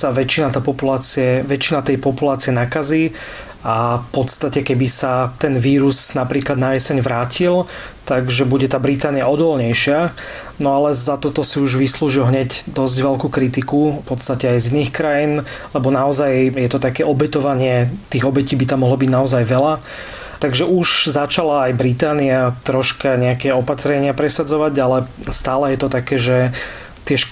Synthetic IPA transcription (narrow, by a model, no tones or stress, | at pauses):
saʋɛt͡ʃinat̪aːpɔpulaːt͡siɛʋɛt͡ʃinat̪ɛjpɔpulaːt͡siɛnakaziː | afpɔt̪st̪acɛkɛbisat̪ɛnʋiːɾusnapɾiːklad̪najɛsɛɲʋɾaːcʰil | t̪aɡʒɛbuɟɛt̪aːbɾit̪aːnijaɔd̪ɔlɲɛjʃɪa | nɔalɛzat̪ɔt̪ɔsiuʒʋisluːʒilɦɲɛcd̪ɔzɟʋɛlkuːkɾit̪ikupɔt̪t͡st̪acɛajziniːxkɾajiːn | lɛbɔnaɔzajjɛt̪ɔt̪akɛːɔbɛt̪ɔʋaɲɪɛt̪iːɣɔbɛciːbit̪amɔɦlɔbiɟnaɔzajʋɛla | t̪aɡʒɛʔuʒzat͡ʃalaːjbɾit̪aːniat̪ɾɔʃkaɲɛakɛɔpat̪ɾɛɲɪapɾɛsad͡zɔʋaɟalɛst̪aːlɛjɛt̪ɔt̪akɛːʒɛ | t̪ɪɛʃ